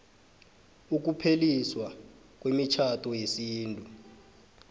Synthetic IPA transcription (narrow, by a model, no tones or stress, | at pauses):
uk̬upʰeliswa | k̬wemit͡ʃʰatʰʼɔjesiːntʼu